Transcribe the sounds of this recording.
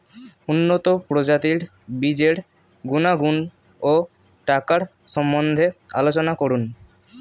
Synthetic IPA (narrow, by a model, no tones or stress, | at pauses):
unːot̪opɾod͡ʑat̪iɾ | bid͡ʑeɽ | ɡunaɡun | o | ʈakaɾʃɔmːond̪ʱea̰lot͡ɕonakoɾun